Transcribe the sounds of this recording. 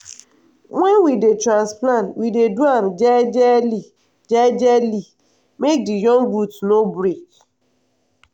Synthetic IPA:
ŋʷɛnwidetɾãnsplãntwideduand͡ʒɛd͡ʒɛli | d͡ʒɛd͡ʒɛli | mek̚dijɔ̃nɡutnobɾek

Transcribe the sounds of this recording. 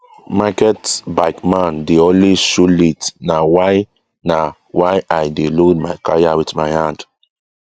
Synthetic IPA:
makɛtbaɪkmãndeɔnliʃulitnawaj | na | wajʔajdelod̚majkajawitmajhãnd

